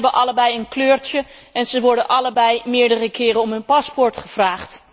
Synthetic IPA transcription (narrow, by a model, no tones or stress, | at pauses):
bənʔɑləɹbɛjənkløːɹt͡ʃə | ɛnzəʋɔɹdənʔɑləɹbɛjmɪːɹdərəkɪːɾənɔmɦɵnpɑspɔɹtχəv̥raːχt